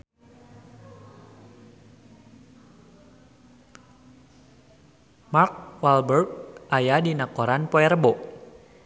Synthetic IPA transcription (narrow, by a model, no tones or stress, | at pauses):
mark̚walbərk̚ʔajadinakɔɾanpɔɛɾəbɔʔ